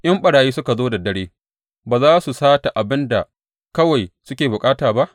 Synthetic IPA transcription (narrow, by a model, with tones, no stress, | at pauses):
ʔɐ˦mɓɐ˨ɽaː˨jiː˦sʊ˦ka˨zoː˦da˨dɐ˦ɽeː˦ | baː˨zaː˦su˨saː˦ta˨ʔa˨bɪ˦nda˨ | kɐ˦wa˨jsʊ˦kʲeː˨bʊ˨kʼaː˦taː˨ba˦ʔ